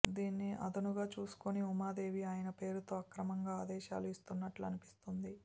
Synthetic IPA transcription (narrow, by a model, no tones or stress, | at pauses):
d̪iːnːiʔɐ̰d̪ɐnuɡaːt͡ʃuːsu̥koniumaːd̪e̞ːʋiaːjɐnɐpe̞ːɾut̪o̞ːɐkɾɐmɐŋɡaːd̪ɛːʃa̰ːluist̪unːɐʈluɐnipi̥st̪und̪i